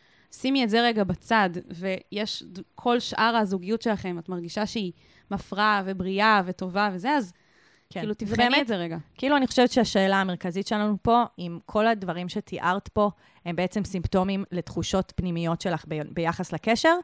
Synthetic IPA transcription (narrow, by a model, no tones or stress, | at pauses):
simiezeʁeɡabat͡sadve̞jeʃkʰo̞lʃʔaʁazuɡijutʃe̞laχe̞mat̪maʁɡiʃaʃei | mafʁavebʁiave̞to̞vavezeaz | kkilutivʁemezeʁeɡakiiːluaniχo̞ʃevɛtʃeaʃe̞ːlaːme̞ʁkazitʃelanupo̞imkʰo̞ladvaʁimʃetʰiʔaʁt̪po̞ | he̞mbeet͡se̞msimpto̞mimletχuʃo̞tpnimijo̞tʃe̞laχbbe̞jaχasleke̞ʃe̞ʁ